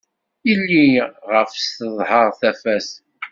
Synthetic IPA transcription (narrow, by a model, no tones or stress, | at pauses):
ilːiʁəfst̪əðˤhəʁˤθæfæs